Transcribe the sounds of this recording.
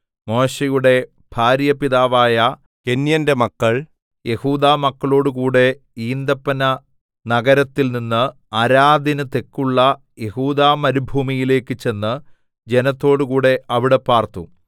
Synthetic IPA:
mo̞ːɕejuɽe̞ | bʱaːɾjɐpiðaːʋaːjɐ | ke̞njɐnde̞mɐkːɐɭ | je̞huːd̪aːmɐkːɐɭo̞ːɽukuːɽe̞ | iːnd̪ɐpːɐnɐ | nɐɡɐɾɐt̪ːilninːɨ | ɐɾaːd̪ʱinɐt̪e̞kːuɭːɐ | je̞huːðaːmɐɾubʱuːmijile̞ːkːɨt͡ɕe̞nːɨ | d͡ʑe̞nɐt̪ːo̞ːɽukuːɽe̞ɐʋiɽe̞paːrt̪u

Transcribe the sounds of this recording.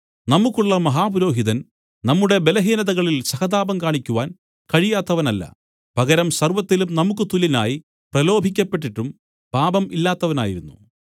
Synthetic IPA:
nɐmukːuɭːɐmɐɦaːbuɾo̞ːɦiðɐn | nɐmːuɽe̞be̞lɐɦiːnɐðɐɣɐɭilsɐhɐd̪aːbɐmkaːɳikʲːuʋaːn | kɐɻijaːt̪ːɐʋɐnɐlːɐ̰ | b̥ʱɐɣɐɾɐmsɐrʋɐt̪ːilumnɐmukːɨt̪ulina̰ːji | prɐlo̞ːbʱik̬ʲːɐpːe̞ʈːiʈːum | paːbɐmilːaːt̪ːɐʋɐna̰ːjiɾunːṵ

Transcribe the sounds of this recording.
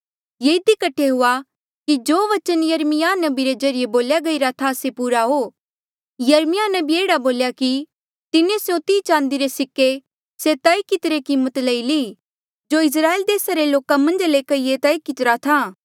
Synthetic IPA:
jeːɪd̪ikɐʈʰːeɦʊa | kid͡ʒoːʋɐt͡ʃənjɐɾmɪjanɐbiɾezɐɾɪjeboːljaɡɐiɾat̪ʰasepuːɾaɦoː | jɐɾmɪjanɐbieːɽaboːljaki | t̪ɪnẽsjõt̪iːt͡ʃãːnd̪iɾesɪkːe | set̪ɐːikɪt̪ɾekimːət̪lɐiliː | d͡ʒoɪs̬ɾaːeːld̪eːsaɾeloːkamɐ̃nd͡ʒlekɐiet̪ɐːikɪt̪ɾat̪ʰaː

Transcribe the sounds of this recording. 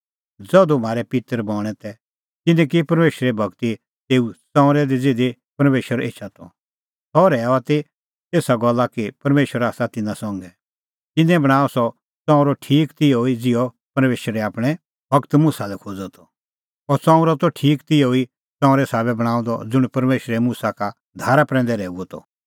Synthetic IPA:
d͡zɔd̪om̤aːɾɛpɪt̪əɾbɔːɽ̃ɛ̃t̪ɛ | t̪ɪnɛ̃k̬ipɐɾmeːʃəɾɛbʱɐkt̪i | t̪eːut͡sɔ̃ːʊ̃ɾɛd̪id͡zɪd̪e | pɐɾmeːʃəɾḛːt͡ʃʰat̪ɔ | tɔɾɛaat̪e | t̪eːsaɡɔlːakipɐɾmeːʃəɾaːsat̪ɪnãsɔ̃ŋɡɛ | t̪ɪnɛ̃bɐɽ̃aːɔsɔ | t͡sɔ̃ːũɾɔʈʰiːkt̪ɪoid͡zɪɔ | pɐɾmeːʃɾɛaːpɽ̃ɛ | bʱɐkt̪musalɛkʰoːd͡zɔt̪ʰɔ̥ | ɔɾt͡sãːũɾɔt̪ɔʈʰiːkt̪ɪjoi | t͡sãːʊ̃ɾɛsaːbɛbɐɽ̃ãːũnd̪ɔ̰d͡zʊɽ̃pɐɾmeːʃɾɛmusaka | d̪ʱaːɾapɾɛ̃ːn̆d̪ɛɾɛːuɔt̪ʰɔ̰

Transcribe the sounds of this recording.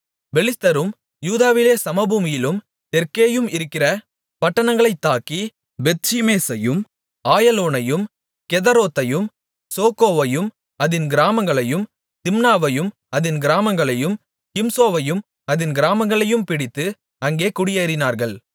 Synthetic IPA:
bɛlɪst̪ɐɾɯm | juːðaːʋɪleːsɐmɐbuːmɪjɪlɯm | t̪ɛɾkeːjɯmɪɾɯkːɪrɐ | pɐʈːɐɳɐŋɡɐɭɐɪt̪ːaːki | bɛt̪t͡ʃimeːsɐjɯm | aːjɐloːnɐjɯm | kɛðɐɾoːt̪ːɐjɯm | soːkoːʋɐjɯm | ɐðɪnɡɪɾaːmɐŋɡɐɭɐjɯm | t̪ɪmnaːʋɐjɯm | ɐðɪnɡɪɾaːmɐŋɡɐɭɐjɯm | kɪmsoːʋɐjɯm | ɐðɪnɡɪɾaːmɐŋɡɐɭɐjɯmpɪɽɪt̪ːɯ | ɐŋɡeːkʊɽɪjeːɾɪnaːɾɣɐɭ

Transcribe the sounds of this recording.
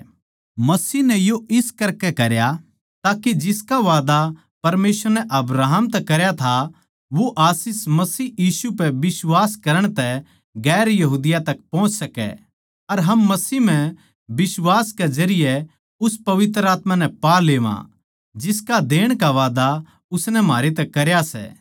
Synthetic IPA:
mɐsiːnɛjoɪskɐɾkɛkɐɾja | t̪aːkid͡ʒɪskaʋaːd̪a | pɐɾmeːsəɾnɛʔɐbɾaːɦəmt̪ɛkɐɾjat̪ʰa | ʋoʔaːsɪsmɐsiːjiːsupɛbɪswaːskɐɾəɽ̃t̪ɛ | ɡɛːɾjɐɦuːd̪ɪjat̪ɐk̚pɔ̃ːʊ̃t͡ʃsɐkɛ̰ | ɐɾɦɐmːɐsiːm̤ɛ̃ | bɪswaːskɛd͡ʒɐɾɪjɛ | ʊspɐʋɪt̪ɾəaːt̪manɛ̃paːleːʋã̰ | d͡ʒɪskad̪eːɽ̃kaʋaːd̪a | ʊsnɛm̤aːɾet̪̬ɛkɐɾjasɛ̰ː

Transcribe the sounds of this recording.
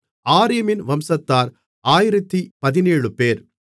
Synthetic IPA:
aːɾɪjɐmɪnʋɐmsɐt̪ːaːɾ | aːjɪɾɐt̪ːipɐðɪneːɻɯpeːɾ

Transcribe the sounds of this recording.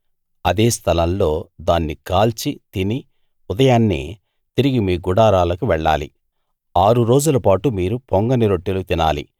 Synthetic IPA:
ɐd̪eːst̪ʰɐlɐnlo̞ːd̪aːnːikaːlt͡ʃit̪ini | ud̪ɐjaːnːḭː | t̪iɾiɡimiːɡuɽaːɾaːlɐkuʋɛɭːa̰ːlḭ | aːɾuɾo̞ːd͡ʒulɐpaːʈumiːɾupoŋɡɐniɾoʈːilut̪ina̰ːlḭ

